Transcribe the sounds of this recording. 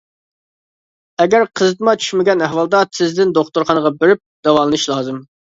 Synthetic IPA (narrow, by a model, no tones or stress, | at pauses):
ɛɡʲæɾqʰəzɨt̪ɨmɑt͡ʃʰy̥ʃmɪɡʲɛnɛɦwɑlˠd̪ɑt̪ʰɪzd̪ɪnd̪oχt̪uɾχɑnəʁɑbeɾɪp̚d̪̥ɛwɑlˠɨnɨʃlˠɑːzɨm